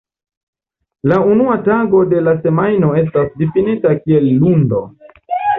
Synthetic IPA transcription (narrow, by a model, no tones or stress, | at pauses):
launuataɡo̞de̞lase̞majno̞e̞s̬tasdifinitakie̞lːundo̞